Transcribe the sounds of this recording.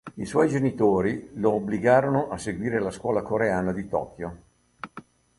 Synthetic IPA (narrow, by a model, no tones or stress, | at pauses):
iswɔjd͡ʒenit̪oːɾiloːbliɡaːɾonoʔaseɡwiːɾelaskwɔːlakoɾeaːnad̪it̪ɔ̰ːkjo